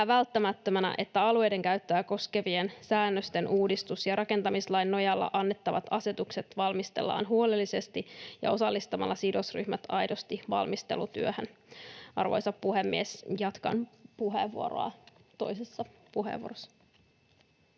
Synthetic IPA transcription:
æːʋælt̪ːæmæt̪ːømænæ̰ʔe̞t̪ːæɑlue̞jde̞ŋkæɥt̪ːæːko̞ske̞ʋiensæːnːøst̪e̞nʔuːdist̪usjɑɾʔɑke̞nt̪ɑmislɑjnːo̞jɑlːɑ̰ʔɑnːe̞t̪ːɑʋɑt̪ɑse̞t̪ukset̪ʋɑlmist̪ḛlːɑ̰ːnɦuo̞lelːise̞st̪ijɑ̰o̞sɑlːist̪ɑmɑ̰lːɑsido̞sry̰hmæt̪ɑjdo̞st̪iʋɑ̰lmist̪elut̪yøhønɑ̰rʋo̰jsɑppuɦemːiesjɑt̪kɑ̰npuɦḛʋːuo̞̰ɾo̰ɑ̰t̪ojsesːɑpuɦḛʋuorosːɑ̥

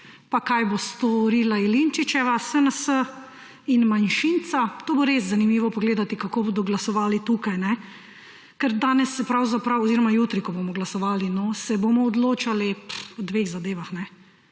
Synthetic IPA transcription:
pakajbost̪ɔɾiːlailint͡ʃit͡ʃɛʋasənəsə | inmanʃint̪sat̪oːboɾeːzzanimiːʋɔpɔɡleːd̪at̪ikakoːboːd̪ɔɡlasɔʋaːlit̪uːkajnɛ | kəɾd̪aːnɛsɛpɾawzapɾawɔziːɾɔmajuːt̪ɾikɔbomɔɡlasɔʋaːlinɔsɛbomɔːd̪loːt͡ʃaliwd̪ʋeɣzad̪eːʋaxnɛ

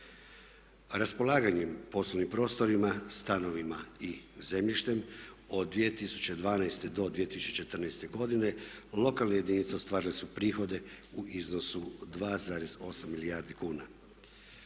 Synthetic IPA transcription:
ɾaspo̞lˠaːɡaɲempo̞slˠoʋnimpɾo̞ːst̪o̞ɾimast̪ano̞ʋimaize̞mʎiʃt̪e̞m | o̞d̪ːʋije̞t̪isu̥t͡ɕe̞d̪ʋaːnajst̪e̞d̪o̞d̪ʋije̞t̪isut͡ʃet͡ʃe̞t̪ərnɛjst̪e̞ɡo̞d̪ine̞lˠo̞kalˠnaje̞d̪init̪seo̞st̪ʋaːɾilesupɾiːxo̞d̪e̞uʔizno̞sud̪ʋaːzaːɾe̞zo̞samːiliaːɾd̪ikuːna

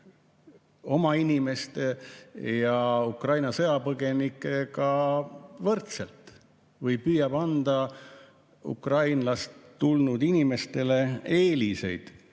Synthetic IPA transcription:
o̞mɑinime̞st̪e̞jɑukrɑjnɑsɤjɑpɤɡ̥e̞nikːˑe̞kɑ | vɤrt̪selt̪ˑ | vɤjpyːjɑb̥ɑnd̪̥ɑ | ṵkrɑjnlɑst̪ːulnud̪̥inime̞st̪e̞le̞e̞ːlise̞̰jd̪̥

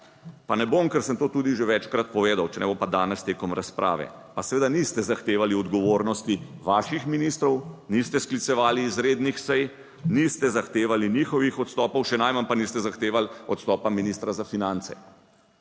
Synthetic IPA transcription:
panɛbomkɛɾsənt̪oːt̪uːd̪iʒeʋɛt͡ʃkɾat̪̚pɔʋeːd̪awt͡ʃɛnɛbompad̪aːnɛst̪eːkɔmɾaspɾʔa̰ːʋɛ̰pasɛʋeːd̪anist̪ɛzaxt̪eːʋaliɔd̪ɡɔʋoɾnɔst̪iʋaʃixminiːst̪ɾɔwnist̪ɛsklit̪sɛʋaːliːzɾeːd̪nixsɛj | nist̪ɛzaxt̪eːʋaliniːxɔʋixɔt̪st̪ɔːpɔwʃɛnajmanpaniːst̪ɛzaxt̪eːʋalɔt̪st̪ɔːpaminist̪ɾazafinant̪sɛ̰

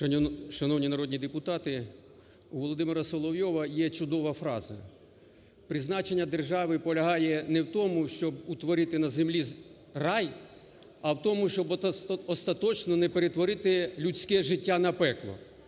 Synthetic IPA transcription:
ʃɐnɔwnʲinɐɾɔdʲnʲid̪epʊt̪ɑt̪ɪ | uʋɔlˠɔd̪ɪmɪɾɐsɔlˠɔwjɔʋɐjɛt͡ʃʊd̪ɔʋɐfɾɑzɐ̰ | pɾɪznɑt͡ʃenʲːɐd̪erʒɑʋɪpɔlʲɐɦɑjɛnɛwt̪ɔmʊʃt͡ʃɔbut̪ʋɔɾɪt̪ɪnɐzemlʲi | rɑj | ɐwt̪ɔmʊʃt͡ʃɔbɔst̪ɐt̪ɔt͡ʃnɔnɛpeɾet̪ʋɔɾɪt̪ɪlʲut͡sʲkɛʒɪtʲːanɐpɛklˠɔ̰

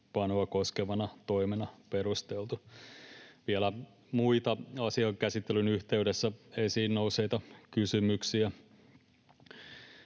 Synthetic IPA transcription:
pɑnoɑkoskeʋɑnɑt̪oimenɑperust̪elt̪u | ʋielæ | muit̪ɑɑsiɑŋkæsit̪ːelynyht̪eydesːæesiːnnouseit̪ɑkysymyksiæ

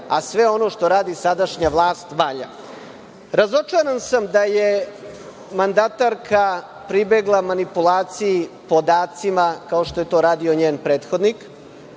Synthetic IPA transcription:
asʋe̞o̞no̞ʃt̪o̞ɾaːd̪isad̪aʃɲaʋlˠaːst̪ʋaːʎa̰ | ɾazo̞t͡ʂaɾansamd̪aje | mand̪at̪aɾkʰa | pɾibeɡlˠamanipulaːt̪sijipo̞d̪aːt̪simakao̞ʃt̪o̞je̞t̪o̞ːɾaːd̪io̞ɲeːnpɾeːt̪xo̞d̪nik

